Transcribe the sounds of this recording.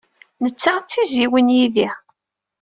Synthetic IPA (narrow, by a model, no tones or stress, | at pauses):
nət͡sːat͡sːiziwənjiði